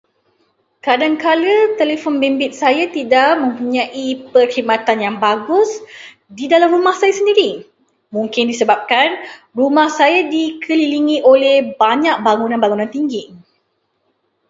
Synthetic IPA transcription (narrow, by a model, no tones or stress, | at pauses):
kadaŋkalət̪elefɔnbɛmbɪt̪̚sajat̪idaʔmə̃mpuɲãʔipərhimat̪anjaŋbaɡʊs | didalamɾumahsajasəndiɾi | mũŋkɪndisəbap̚kanrumahsajadikʰəliliŋiʔolɛhbaɲak̚baŋunãnbaŋunãnt̪iŋɡi